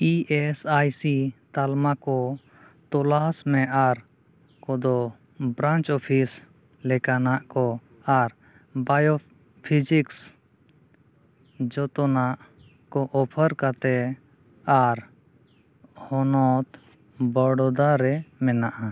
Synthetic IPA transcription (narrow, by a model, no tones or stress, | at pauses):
iʔɛsajsit̪almakɔ | t̪ɔlasmɛʔaɾ | kɔd̪ɔ | bɾãnt͡ʃɔpʰis | lɛkanaʔkɔ | aɾ | bajɔ | pʰid͡ʒiks | d͡ʒɔt̪ɔnaʔ | kɔʔɔpʰəɾkat̪ɛ | aɾ | hɔnɔt̪ | bəɽɔd̪aɾɛmɛnaʔa